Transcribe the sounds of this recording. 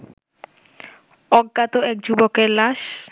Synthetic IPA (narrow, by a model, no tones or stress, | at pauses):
ɔɡːat̪oɛk̚d͡ʑubokeɾlaʃ